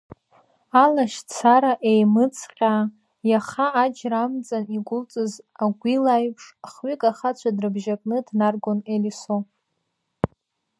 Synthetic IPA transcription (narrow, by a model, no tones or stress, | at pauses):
alaʃt͡sʰaɾaʔejmɨt͡sʰqʲʼa | jaχaːd͡ʒramt͡sʼaniɡʷʊlt͡sʼɨzaɡʷilajpʰʂχɥikʼaχat͡ɕʷʰadrɨbʒakʼnɨdnarɡoneliso